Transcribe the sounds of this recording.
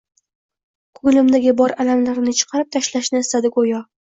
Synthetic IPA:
kʰʊɡlɪmd̪aɡʲɪbɒɾalamlaɾnɪt͡ʃʰɨ̥qʰɑɾɪp̚t̪ʰaʃlaʃnɪɪst̪ad̪ɪɡojɒ

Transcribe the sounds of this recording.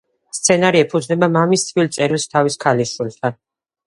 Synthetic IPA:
st̪sʰɛnaɾiɛpʰud̪znɛbamamist̪ʰvilt̪sʼɛɾilˠst̪ʰaviskʰaliʃulˠt̪ʰan

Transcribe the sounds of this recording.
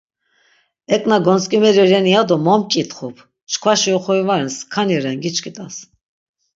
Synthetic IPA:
ɛkʼnaɡɔnskʼimɛɾiɾɛniad̪ɔmɔmt͡ʃʼit̪χɔpʰ | t͡ʃʰkʰvaʃiɔχɔivaɾɛnskʰaniɾɛnɡit͡ʃkʰʼit̪ʼas

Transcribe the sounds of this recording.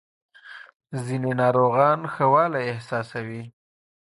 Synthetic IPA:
zinenɑɾoɣɑnxəwɑlaɪhsɑsawi

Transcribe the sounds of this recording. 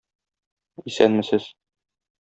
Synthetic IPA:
isænmɘ̆sɘz

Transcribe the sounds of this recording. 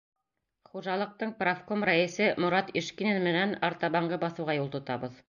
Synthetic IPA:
χuʒɑlˠɤ̆q̚t̪ɤɴprafkomræisɘmŏɾɑt̪iʃkinenmɘ̆nænɑɾt̪ɑβɑɴɢɤbɑθɤ̆wʁɑjulˠt̪ŏt̪ɑβɤð

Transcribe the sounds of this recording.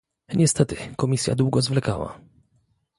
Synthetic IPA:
ɲɛst̪ɛt̪ɘkɔmʲisʲja̰d̪wuɡɔzvlɛkawa̰

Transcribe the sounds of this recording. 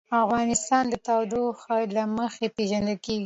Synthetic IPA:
afɣɑnɪst̪ɑnd̪ət̪ɑwd̪oxaɾlaməxepeʒand̪alkeɡi

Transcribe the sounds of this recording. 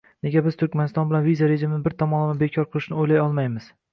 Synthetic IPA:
ne̞ɡʲabɪz̥t̪ʰʊɾkʲmanɪst̪ɒnbɪlanvizaɾe̞ʒimɪnɪbɪɾt̪ʰɒmɒnamɪbekʲʰɒɾqʰɨlˠɪʃnɪojlajɒlˠmajmɪz̥

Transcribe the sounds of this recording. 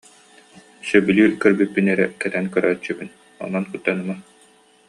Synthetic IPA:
sœbylʲyːkœɾbypːinɛɾɛ̰kɛt̪ɛnkœɾœːt͡ɕːybyn | ɔ̰nɔnkut̪ːanɯma

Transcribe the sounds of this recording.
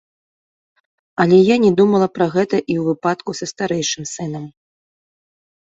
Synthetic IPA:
ɐlʲɛjanʲɛd̪umɐlˠɐpɾɐɣɛt̪ɐʔiwvɨpat̪kusɐst̪aɾɛjʂɨmsɨnɐm

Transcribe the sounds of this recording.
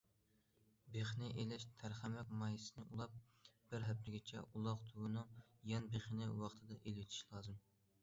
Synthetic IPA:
beχnɪʔelɛʃt̪ʰæɾχæmɛk̚ʲmɑjisɨnɨʔulˠɑp̚ | b̥ɪɾɦɛp̚t̪ʰɪɡʲɪt͡ʃʰɛ̰ʔulˠɑqt̪ʰuɡunɨŋjɑnbeχnɪwɑχt̪ʰɨd̪ɑʔelɪwɪt̪ʰi̥ʃlˠɑːzɨm

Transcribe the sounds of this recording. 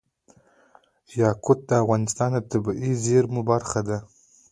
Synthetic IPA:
jɑkʰʊt̪̚d̪əafʁɑnɪst̪ɑnat̪ʰabiʔizeɾmubaɾχad̪a

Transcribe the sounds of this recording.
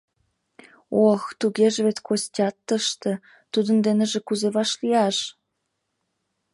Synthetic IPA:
oxt̪uɣeʒeβet̪kʰosʲtʲɑt̪ːə̆ʃt̪ĕ | t̪ud̪ə̆nd̪eneʒĕkuzeβɑʃliɑʃ

